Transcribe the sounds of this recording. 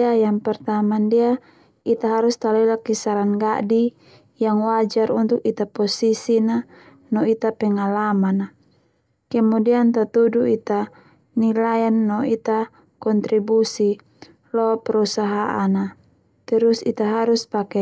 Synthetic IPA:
ajaŋpɛrt̪amandia | it̪aɦaɾust̪alɛlakisaɾanɡa̰di | jaŋwad͡ʒaɾunt̪ukit̪apɔsisina | nɔit̪apɛŋalamana | kɛmudiant̪at̪uduit̪a | nilajanːɔit̪a | kɔnt̪ɾibusi | lɔpɛɾusaɦaʔana | t̪ɛɾusḭt̪aɦaɾuspakɛ

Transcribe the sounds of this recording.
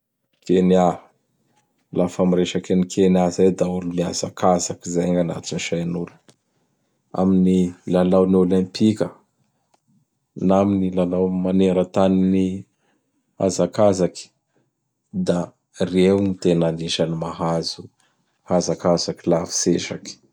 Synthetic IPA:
kenia | lafamiɾeʃakanikʰenazajd̪aulumia̰zakʰazakizajɲana̰t̪iniʃajnulə̥ | a̰minilalawniolɛ̃mpikʲə | naminilalawmaneɾət̪anini | a̰zakazaki̥ | d̪a | rewmit̪enaniʃanimaɦazu | hazakazakilafi̥seʃaki̥

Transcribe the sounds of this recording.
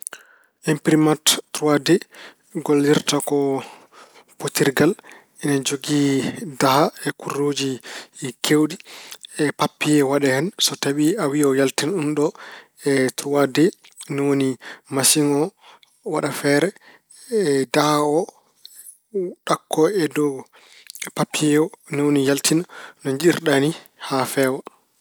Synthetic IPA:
ʔɛmpɾimatːɾuwadɛ | ɡolːiɾtakɔ | potiɾɡal | ɛnad͡ʒoɡidahaɛkurod͡ʒikʰewɗiɛpapːijɛwaɗɛhɛnsɔtawiawiɔjaltinɗumɗɔ | ɛtuɾuwadɛnɔwonimasiŋɔ | waɗafɛɾɛ | dahaɔ | ɗakʰːɔɛdɔ | papːiɛɔnɔwonijaltʰinnɔɲd͡ʒiɾɗanihafɛːwa

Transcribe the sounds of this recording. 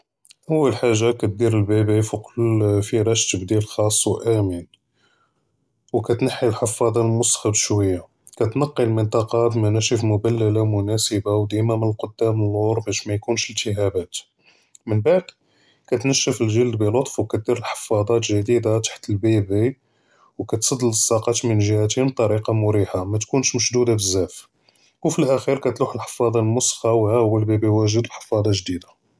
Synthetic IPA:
ʔəwːəlħaʒːakæt̪̚d̪iɾəlbibifiqlfiɾˤɑʃt̪əbd̪ilxɑsˤːwʔæmin | wkæt̪naħːilħɑfːɑd̪ˤɑmʊst̪xəbʃwəjːa | kæt̪nɑqːilmənt̪ˤɑqɑb̪mænæʃifmʊbælːəlamʊnæsəbawd̪imæmənəlqod̪ːæməluɾˤbæʃmæjkunʃəlt̪əɦæbæt̪ | mənbaʕd̪ | kæt̪nəʃːəfəlʒəld̪bilot̪ˤfwkæt̪̚d̪iɾəlħə̥fɑd̪ˤɑt̪ʒæd̪id̪at̪ḁħt̪əlbibi | wkæt̪sˤɑd̪ːələsˤːɑqɑt̪mənʒəhæt̪həb̚t̪ˤɑɾiqɑmʊɾiħamæt̪kunʃməʃd̪ud̪abəzːæf | wfilʔæxiɾkæt̪luħəlħə̥fɑd̪ˤɑlmʊsxɑwhæʔwːəlbibiwæʒəd̪bħə̥fɑd̪ˤɑt̪ʒd̪id̪ḁ

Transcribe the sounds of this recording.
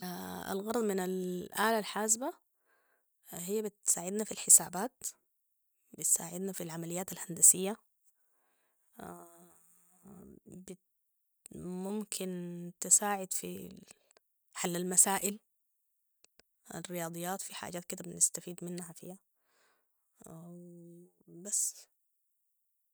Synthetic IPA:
aa̰lɣɑɾˤd̪ˤmɪnalʔaːlalħaːs̬ba | hijːabɪt̪saːʕɪd̪nafilħɪsaːbaːt̪ | bɪt̪sa̰ːʕɪd̪nafilʕamalɪjːaːt̪alhand̪asɪjːa | bɪ | mʊmkʰɪnt̪ɪsaːʕɪd̪fḭ | ħalːalmasaːʔɪl | a̰rːɪjɑːd̪ˤɨjːaːt̪fiħa̰ːd͡ʒaːt̪kɪd̪abɪnɪst̪afiːd̪mɪnːhafḭha | basː

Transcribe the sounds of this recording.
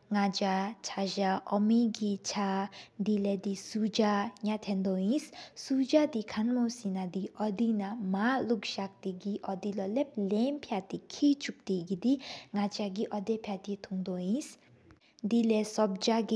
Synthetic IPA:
ŋad͡ʒat͡ʃʰad͡ʒaʔɔmiɡit͡ʃʰad̪ilɛd̪isud͡ʒaɲat̪ʰɛ̃nd̪ɔĩssud͡ʒad̪ikʰanmɔwsinad̪iʔɔd̪inamalukʃak̚t̪iɡiʔɔd̪ilɔlɛp̚lɛmpʰjat̪ikʰit͡ʃuk̚t̪iɡid̪iŋat͡ʃaɡiʔɔd̪ɛpʰjat̪it̪ʰuŋd̪ɔĩs | d̪ilɛsɔb̚d͡ʒaɡi

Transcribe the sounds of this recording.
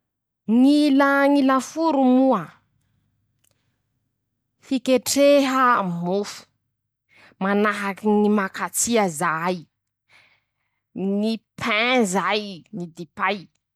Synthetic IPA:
ŋilaŋilafuɾumua | fikʲeʈ͡ʂeɦəmufu̥ | manaɦakinimakat͡siazaj | nipʰɛzajnid̪ipaj

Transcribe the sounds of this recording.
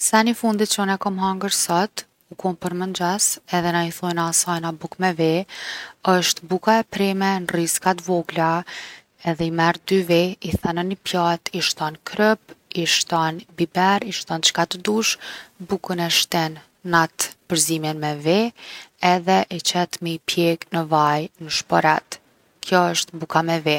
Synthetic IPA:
sanifund̪it̪t͡ʃɔnɛkɔmɦaŋɡəɾsat̪ | ukɔnpəɾmənd͡ʒasɛðɛnaiθɔjnasajnabukmɛvɛ | əʃt̪bukaɛpɾɛmɛnriskat̪vɔɡla | ɛðɛimɛɾd̪yvɛiθananipjat̪iʃt̪ankʰɾəpiʃt̪ɔnbibɛɾiʃt̪ɔnt͡ʃkat̪əd̪uʃbukənɛʃt̪ɛnː | at̪pəɾzimjɛnmɛvɛɛðɛʔit͡ɕɛt̪miipjɛknəvajnəʃpɔɾat̪ | kjɔəʃt̪bukamɛvɛ

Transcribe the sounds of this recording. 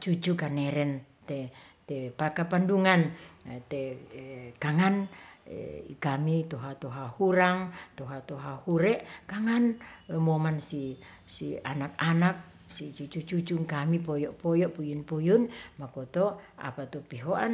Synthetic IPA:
t͡ʃut͡ʃukanɛɾɛn | t̪ɛt̪ɛpakapanduŋant̪ɛ | kaŋan̰ | ḭkamit̪ɔɦat̪ɔɦahuɾaŋt̪oɦat̪oɦahuɾɛʔkaŋanmomansi | sḭa̰nak̚anak̚ | sit͡ʃut͡ʃut͡ʃut͡ʃuŋkamipɔjɔʔpɔjɔʔpujunpujunmakot̪ɔa̰pat̪ɔpiɦoʔan

